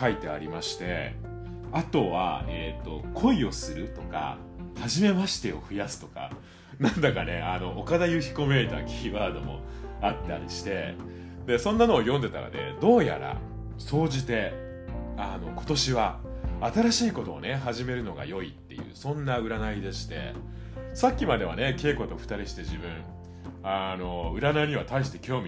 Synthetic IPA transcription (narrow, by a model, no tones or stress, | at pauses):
kait̪e̞a̰ɾʲimaɕi̥t̪e̞̰ | at̪o̞βa̰et̪ːo̞kʰo̞io̞sɨɾɯ̟t̪o̞ka̰ | haʑime̞maɕi̥t̪e̞o̞ɸɯ̟jasɨ̥t̪o̞ka̰ | nãnd̪akane̞ano̞ʔokad̪ajɯçi̥ko̞me̞ːt̪a̰kʲʰiːβaːd̪o̞̰mo̞̰at̪ːa̰ɾʲḭɕi̥t̪e̞̰ | d̪e̞sõ̞nːano̞ːjõ̞nd̪e̞t̪a̰ka̰d̪e̞̰d̪o̞ːja̰ɾa̰ | so̞ːd͡ʑit̪e̞ | ano̞ko̞̥t̪o̞ɕiβaːt̪aɾaɕiːko̞t̪o̞̰ːne̞ɦaʑime̞ɾɯ̟no̞ɡa̰jo̞it̪ːe̞̰jɯ̟̰ːsõ̞nːaɯ̟ɾanaid̪e̞ɕi̥t̪e̞̰ | sakʲːimad̪e̞βa̰ne̞ke̞ːko̞t̪o̞ɸɯ̟̥t̪aɾʲiɕi̥t̪e̞ʑibɯ̟̃ɴ̃ | ano̞ɯ̟ɾanaiɲ̟iβ̞at̪aiɕ̬i̥t̪e̞̥kʲo̞ːmʲi